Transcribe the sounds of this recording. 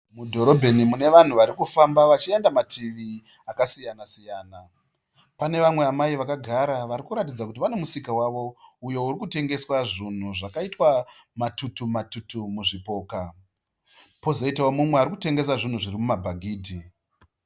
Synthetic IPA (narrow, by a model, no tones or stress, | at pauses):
mudʱo̞ɾo̞bʱe̞nimune̞ʋan̤uʋaɾikufambaʋat͡ʃiendamatʰiʋi | akasijanasijaːna | pane̞ʋamwe̞amaiʋakaɡʱaɾaʋaɾikuɾatid͡zakutiʋane̞musikawaʋo̞ujo̞uɾikute̞ŋɡe̞swaʐin̤uʐakaitwamatutumatutumuʐipo̞ːka | po̞zo̞itaomumweaɾikute̞ŋɡe̞s̬aʐin̤uʐirimumabʱaɡʱiːdʱi